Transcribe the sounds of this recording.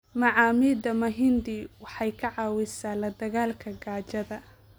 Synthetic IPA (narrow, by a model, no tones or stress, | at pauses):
mɑʕɑːmid̪ɐmɐɦɪnd̪iwɑħɑjkʰɐʕɑːwɪsaːlɐd̪ɐɣaːlkʰɐɡaːt͡ʃɐðɐ